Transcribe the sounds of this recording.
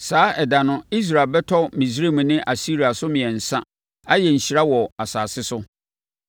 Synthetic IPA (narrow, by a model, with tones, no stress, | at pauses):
saː˨˦ɛ˨da˨nʊ̃˦i˦s̬ɾaː˨bɛ˦tʰɔ˦mĩ˨s̬ɾe˦˨m̃˨˦nɪ̃˦ʔa˨si˦ɾi˨a˨sʊ˦mɪ̃˨ɛ˨n̩˨sã˦ | a˦jɛ˨ɲ̩˨ɕi˨ɾa˦wɔ˨a˨saː˨sɪ˦sʊ˦